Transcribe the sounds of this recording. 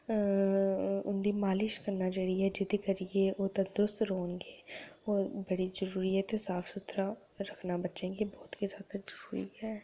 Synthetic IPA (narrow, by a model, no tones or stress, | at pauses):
ʊnd̪iːmaːlɪʃkəɾnaːd͡ʒəɽiːɦɛːd͡ʒɪd̪ekəɾijeʔoːt̪ad̪ɾʊst̪ɾoːnɡeːoːbəɽiːzəɾuːɾiɦɛːt̪esaːfʰsʊt̪ɾa | ɾəkʰnabətːʃẽːɡeːbɔːt̪kizjaːd̪azəɾuːɾḭːɦɛː